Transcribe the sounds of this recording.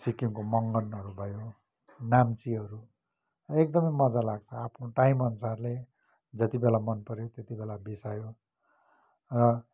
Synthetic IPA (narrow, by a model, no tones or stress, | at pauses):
sikimkomʌŋɡʌnɦʌɾubʱʌjo | namt͡siʌɾu | ʌek̚d̪ʌmʌjmʌd͡zalaɡ̚t͡sʰʌapʰnoʈajmʌnsarle | d͡zʌt̪ibelamʌnpʌɾjot̪jet̪ibelabisajo | rʌ